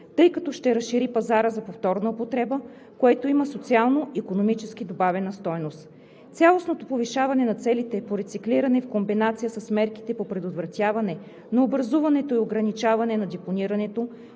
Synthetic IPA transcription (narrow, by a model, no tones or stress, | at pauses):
t̪ɤjkɐt̪ɔʃt̪ɛɾɐsʃiɾipɐzaɾəzɐpoft̪ɔɾnəopot̪ɾɛbə | koɛt̪oimɐsot̪sialˠnoikonomit͡ʃɛsk̟id̪obavɛnɐst̪ɔjnost̪ | t̪sʲjalˠosnot̪opoviʃavɐnɛnɐt̪sɛlit̪ɛpoɾɛt̪sikliɾɐnɛfkombinat̪sijəsɐsmɛɾki̥t̪ɛpopɾɛd̪ot̪vɾɐt̪ʲjavɐnɛ | nɐobɾɐzuvɐnɛt̪oioɡɾɐnit͡ʃavɐnɛnɐd̪ɛponiɾɐnɛt̪o